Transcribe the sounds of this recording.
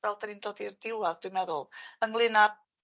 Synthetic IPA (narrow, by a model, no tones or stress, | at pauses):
vɛlˠdanindɔdirdɪwaðdwjmɛðʊlˠəŋlˠɪna